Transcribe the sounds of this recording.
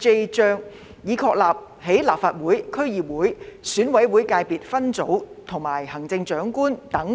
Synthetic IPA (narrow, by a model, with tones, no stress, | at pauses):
t͡se˧jt͡ʃœː˧ŋ | jiː˨˧kʰɔː˧k̚laː˨p̚ | he˨˥jlaː˨p̚faː˧t̚wuː˨˥jkʰɵ˥ɥjiː˨p̚wuː˨˥jsyː˨˥nwɐ˨˥jwuː˨˥jkaː˧jpiː˨t̚fɐ˥nt͡so˨˥wt̪ʰʊ˨˩ŋmaː˨˩jhɐ˨˩ŋt͡sɪ˧ŋt͡ʃœː˨˥ŋkuː˥nt̪ɐ˨˥ŋ